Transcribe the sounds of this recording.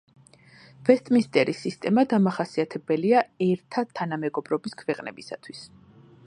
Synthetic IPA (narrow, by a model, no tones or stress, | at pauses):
v̥ɛst̪ʼmist̪ʼɛɾisist̪ʼɛmad̪amaχasiat̪ʰɛbɛliaɛɾt̪ʰat̪ʰːanamɛɡɔbɾɔbiskʰvɛqʼnɛ̰bisa̰t̪ʰwis